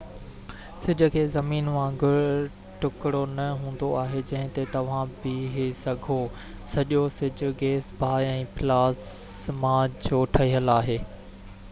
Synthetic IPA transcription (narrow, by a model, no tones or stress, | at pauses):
sɪd͡ʑə̆kʰeːzɐmiːnmãɡʱʊɾ | ʈʊkɪɽonɐɦũːn̆d̪oaːɦed͡ʑɐ̃ɦɪ̃t̪et̪ɐʋ̤ãbɪɦesɐɡʱo | sɐʄosɪd͡ʑʱʊ̆ɡeːsbʱaːɛ̃ːpɪlaːs | mãd͡ʑoːʈʰɐɦiɦəlaːɦeː